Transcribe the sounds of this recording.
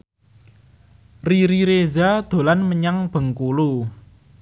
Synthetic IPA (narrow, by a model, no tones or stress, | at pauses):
riɾiɾezad̪̥o̤lanməɲaŋb̥ə̤ŋkulu